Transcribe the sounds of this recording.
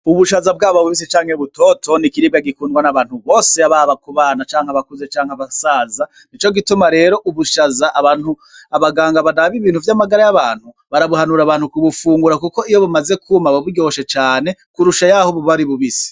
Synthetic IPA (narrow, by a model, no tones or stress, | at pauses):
uβuʃazab̚ɡaːβoβuβis̬it͡ʃaːŋheβuto̞ːtʰo̞nikiɾiɡaɡikuːnɡwanaβaːn̥huβo̞ːse̞aβaβakuβaːnat͡ʃaːŋhaβakuze̞t͡ʃaːŋhaβasaːza | nit͡ʃo̞ɡitumaɾe̞ːɾo̞ʔuβuʃazaʔaβanhu | aβaɡaːŋɡaβadaβiβiːn̥uvjamaɡaɾajaβaːn̥hu | βaɾaβuhanuɾaβaːn̥hukuβufuːŋɡuɾakuko̞ijo̞βumaze̞kʰumaβaβuɾɟo̞ʃet͡ʃaːne̞kuɾuʃajahoβuβaɾiβuβisi̥